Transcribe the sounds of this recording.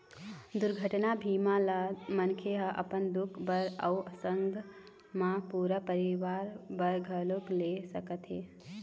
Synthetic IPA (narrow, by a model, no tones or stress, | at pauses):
d̪ʊɾɡʱəʈnabʱimãlamənkʰeɦəʔɐ̰pənd̪ʊkʰbəɾəuʔəsəŋɡʱ | mãpuːɾəpəɾiʋaːɾbəɾɡʱəluklesəkət̪ɦeː